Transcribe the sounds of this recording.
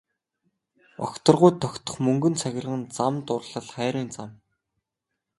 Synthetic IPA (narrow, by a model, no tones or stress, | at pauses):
ɔ̰kt̪ɞ̆rʁʊjt̪ʰːɔkʲt̪ɞ̆χmɵŋɡɵ̆nt͡sʰæxʲɪ̆rʁə̆nt͡samt̪ʊrɮə̆ɮχæːɾiːnt͡sam